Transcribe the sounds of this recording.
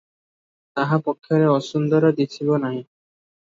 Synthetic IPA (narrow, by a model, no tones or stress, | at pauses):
t̪aɦapokʰːjoɾeɔʃund̪ɔɾad̪it͡ɕʰibonaɦi